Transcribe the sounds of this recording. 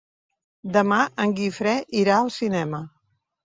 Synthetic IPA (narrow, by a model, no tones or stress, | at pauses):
d̪əmaʔəŋɡifɾɛʔiɾaəlˠsinɛmə